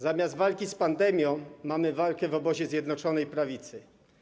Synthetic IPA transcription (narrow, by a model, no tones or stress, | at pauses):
zamʲjazt̪valkʲispand̪ɛmʲjɔ̃w̃mamɘvalkɛvɔbɔʑɛzʲjɛd̪nɔt͡ʂɔnɛjpɾavʲit̪sɘ